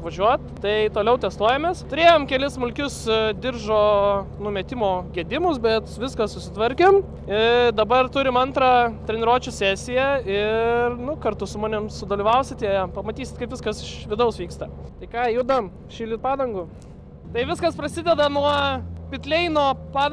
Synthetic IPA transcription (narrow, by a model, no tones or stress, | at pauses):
ʋɐʒʲuɔt̪̚t̪ɐɪt̪oːlʲɛʊt̪ʲɛst̪uɔjɛmʲeːst̪ʊɾʲeːjoːmkʲɛlʲɪssmʊlʲkʲʊsd̪ʲɪrʒoːnʊmʲɛt̪ʲɪmoːɡʲiɛd̪ʲɪmʊsbʲɛt̪ʋʲɪskɐsʊsʲɪt̪ʋɐɾʲkʲɪm | ɪd̪ɐbɐrt̪ʊɾʲɪmɐnt̪ɾɑːt̪ʲɾʲɛnʲɛɾuɔt͡ʃʲʊsʲæːsʲɪjɛɪrnʊkɐrt̪ʊsʊmɑːnʲɪmsʊd̪oːlʲiːʋɐʊsʲɪt̪iɛpɐmɐt̪ʲiːsʲɪt̪kɐɪpʋʲɪskɐsɪʃʋʲɪd̪ɐʊsʋʲiːkst̪ɐt̪ɐɪkɑːjud̪ɐm | ʃʲiːlʲit̪̚pɑːd̪ɐŋɡʊ | t̪ɐɪʋʲɪskɐspɾɐsʲɪd̪ʲɛd̪ɐnuɔpʲɪt̪ʲlʲɛɪnoːpɑː